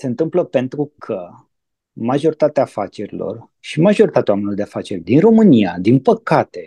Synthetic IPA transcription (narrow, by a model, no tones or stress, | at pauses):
se̞ɨnt̪ɨmpləpe̞nt̪ɾukʰə | maʒo̞ɾit̪at̪eaːfat͡ʃe̞ɾilo̞̰r | ʃimaʒo̞ɾit̪at̪ewamenlod̪eafat͡ʃe̞rʲd̪inro̞mɨnijad̪inpəkat̪e̞